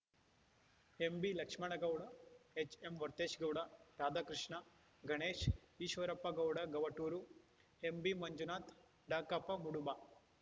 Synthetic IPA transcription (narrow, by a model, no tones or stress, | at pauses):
embilɐkʂmɐɳɐɡɐwɽɐet͡ʃemʋɐɾt̪eːʃɡɐwɽɐɾaːd̪ʱaːkɾɪʂɳɐ | ɡʱɐɳeːʃiːʃʋɐɾɐpːɐɡɐwɽɐɡɐʋɐʈːuːɾu | embimɐɲd͡ʒunaːt̪ | ɖaːkɐpːɐmuɽuba